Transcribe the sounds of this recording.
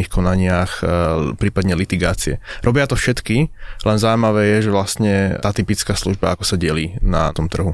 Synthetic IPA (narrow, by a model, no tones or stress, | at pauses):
ixkʰɔnaɲɪaxpɾiːpad̪ɲɛlit̪iɡa̰ːt͡siɛ̰ɾɔbɪat̪ɔfʃɛt̪kilɛnzawjmaʋɛːjɛʒɛʋlast̪ɲɛaːt̪ipit͡skaːsluʒbaakɔsaɟɪɛliːna̰t̪ɔmt̪r̩ɦu